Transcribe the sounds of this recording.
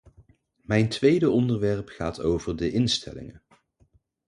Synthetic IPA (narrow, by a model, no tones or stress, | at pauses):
mɛjntʋejdəɔndəɹʋɛɹpχaːtowvəɹdəʔɪnstʰɛ̰lɪ̰ŋə